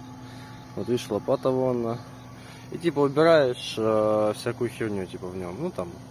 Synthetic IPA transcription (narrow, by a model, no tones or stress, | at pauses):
ot̪ɨʂlˠɐpat̪ɐvoɐnːa | itʲipəʊbʲɪɾajɪʂfsʲakʊjʊxʲirnʲutʲipəvnʲomnut̪am